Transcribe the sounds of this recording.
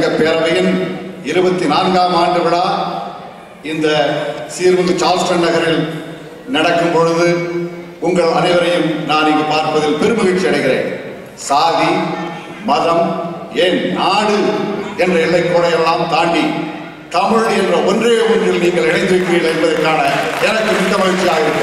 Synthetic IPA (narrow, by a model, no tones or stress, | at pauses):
ɡɐpːeːɾɐʋɐjɪnɪɾɯbɐt̪ːinaːnɡaːmaːɳɖɯʋɐɽaː | ɪnd̪ɐsiːɾʋɐnd̪ɐt͡ʃaːlsʈɐnnɐɣɐɾɪl | nɐɽɐkːɯmpɔɻɯðɯ | ʊŋɡɐɭɐnɐɪʋɐɾɐjɯmnaːnɪŋɡɐpaːɾpɐðɪlpɛɾɯmɯʋɪt͡ʃːɪɐɽɐɪɣɪɾḛːn | saːði | mɐðɐm | eːnnaːɽɯɛndrɐɛlːɐɪkːoːɽɐjɐʋɐɭaːmt̪aːɳɖi | t̪ɐmɯɻɔɽiɛndrɐʔɔndrɯɐʊɳdrɪlniːŋɡɐɭɛɽɐɪnd̪ɯɾɯkːɯɾiːlːɐɛnbɐðɐɾkːaːnɐɛnɐkːɯmɪkːɐmɐɣɐt͡ʃːijaːɣɪɾɯkːɯ